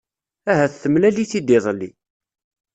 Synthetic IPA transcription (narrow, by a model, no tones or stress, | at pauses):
æɦæθθəmlæliθid̪iðˤlːi